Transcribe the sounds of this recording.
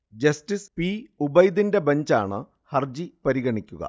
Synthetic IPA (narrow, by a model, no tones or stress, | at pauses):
d͡ʑɐstispiːubɐjd̪inde̞bɐɲd͡ʑa̰ːɳɨ | hɐrd͡ʑipɐɾiɣɐɳikʲːuɣɐ̰